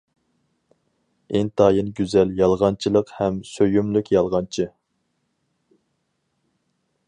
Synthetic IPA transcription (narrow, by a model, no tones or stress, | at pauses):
ɪŋt̪ʰɑːjɨnɡʲyzɛljɑlˠʁɑnt͡ʃʰɨlˠəqhɛmsøjymlykʲjɑlˠʁɑnt͡ʃʰɨ